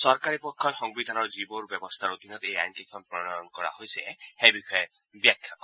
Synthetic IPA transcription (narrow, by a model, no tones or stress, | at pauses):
sɔɾkaɾipɔkʰːɔjxɔŋbid̪ʱanɔɹd͡ʒiboɾbjɔbɔst̪ʰaɾot̪inɔt̪eja̰jnt̪ikʰɔnpɾɔnaɔnkɔɹa̰ɦojsehejbixɔje | bjakʰːjakɔ